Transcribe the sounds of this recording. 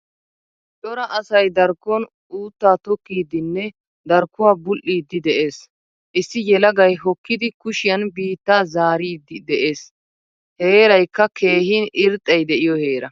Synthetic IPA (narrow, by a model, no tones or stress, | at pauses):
t͡ʃʼɔɾɐʔɐsɐjd̪ɐɾkːɔn | ʔuːt̪ːaːt̪ɔkːiːd̪ɪnːɛ | d̪ɐɾkːʊwaːbʊlʔːiːd̪ːɪd̪ɛʔeːs | ʔɪsːɪjɛlɐɡɐjɦɔkːɪd̪ɪkʊʃɪjɐnbiːt̪ːaːzaːɾiːd̪ɪd̪ɛʔe̞ːs | heːɾɐjkːɐkʰe̞ːhinɪɾt̪ʼːɐjd̪ɛʔɪjɔheːɾɐ